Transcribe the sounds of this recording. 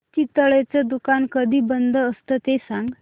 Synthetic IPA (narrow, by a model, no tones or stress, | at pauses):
t͡ɕit̪əɭet͡səd̪ukankəd̪ʱiːbənd̪ʱəəst̪ət̪esãŋɡ